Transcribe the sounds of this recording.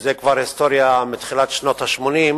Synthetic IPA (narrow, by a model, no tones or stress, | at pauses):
zekvaɾhist̪oɾjamit̪χilat̪ʃnot̪haʃmonim